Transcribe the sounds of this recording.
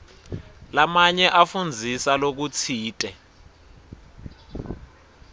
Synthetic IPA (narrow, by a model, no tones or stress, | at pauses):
lamaɲɛʔafund͡zʱisalok̬ut͡sʰiːtʼɛ